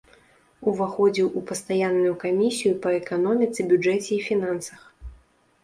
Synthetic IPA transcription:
uvaxɔd͡zʲiwʔupɐst̪ajanːʊjukamʲisʲijupɐɛkanɔmʲit̪sɨbʲud͡ʐɛt͡sʲɛːfʲinansɐ̥x

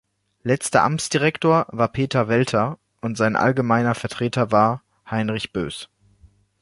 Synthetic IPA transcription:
lɛt͡stɐ̰ʔa̰mt͡sd̥iʁɛktoːɐvaːɐpʰeːtɐvɛltʰɐ | ʔʊntz̥aɪnʔa̰lɡəmaɪnɐfɛɐtʁ̥eːtɐvaːɐ | haɪnʁɪçb̥ø̰ːs

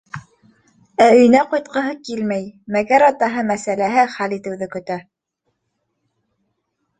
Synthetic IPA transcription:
æɵ̆jnæqɑjt̪̚qɤ̆ɦɤkilmæjmæɡæɾɑt̪ɑɦɤmæsælæɦɘχælit̪ɘ̆wðɘkɵ̆t̪æ

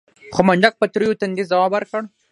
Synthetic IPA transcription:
xomaɳɖak̚pət̪ɾujot̪and̪izawɑbaɾkəɽ

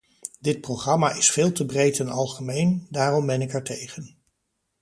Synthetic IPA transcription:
dɪt̚prowχrɑmaʔɪsfɪːlˠtəbrejtɛnɑlˠχəmejndaːrɔmbɛnɪkɛɹtejχən

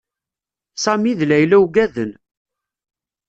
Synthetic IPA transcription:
sɑmiðlæjlæwɡæðən

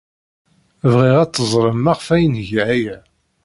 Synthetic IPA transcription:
vʁiʁæt͡sːəzˤɾˤəmːaʁfæjənʝʕæjæ

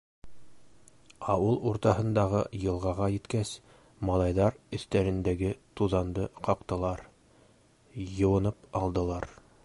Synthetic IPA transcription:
ɑwɤlˠuɾt̪ɑɦɤ̆nd̪ɑʁɤjɤ̆lˠʁɑʁɑjɘ̆t̪kæs | mɑlˠɑjðɑɾɵ̆θt̪æɾɘ̆nd̪æɡɘt̪uðɑnd̪ɤqɑqt̪ɤ̆lˠɑɾ | jɤ̆wɤ̆nɤpɑlˠd̪ɤ̆lˠɑɾ

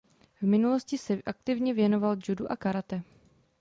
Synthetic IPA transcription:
vmɪnulo̞scɪsɛʔak̚t̪ɪvɲɛvjɛno̞vald͡ʒuduʔakaɾat̪ɛ

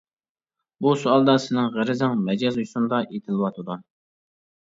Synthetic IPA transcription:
busʊɑlˠd̪ɑsɪnɪŋʁæɾɪzɪŋmɛd͡ʒɛzujsund̪ɑʔet̪ʰɪlˠɨwɑt̪ʰɨd̪u

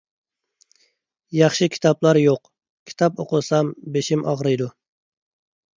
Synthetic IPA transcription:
jɑχʃɨkʲʰi̥t̪ʰɑplˠɑɾjoq | kʲʰi̥t̪ʰɑpoqʊsɑmbeʃimʔɑʁɾɨjd̪u

